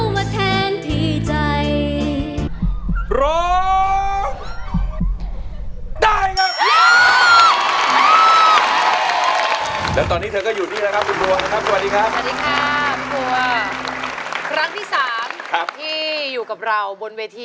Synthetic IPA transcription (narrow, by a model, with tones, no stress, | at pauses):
maː˧t̪ʰɛː˧˥nt̪ʰiː˧˥˩t͡ɕa˧j | ɾɔː˦ | daː˥˩jkʰa˦˥ | lɛː˦˥wt̪̬ɔː˧niː˦˥t̪ʰɤː˧kɔː˥˩juː˨˩niː˥˩la˦˥kʰa˦˥p̚kʰu˧npu˧ɐna˦˥kʰa˦˥p̚sa˨wa˨˩diː˨˧kʰa˦˥psa˨˩diː˧kʰɾa˦˥pkʰu˧˩ɐ | kʰɾa˦˥ŋt̪ʰiː˥˩saː˩˦mkʰa˦˥p̚t̪ʰiː˥˩juː˨˩ka˨˩p̚ɾa˧wbo˧nweː˧t̪ʰiː˧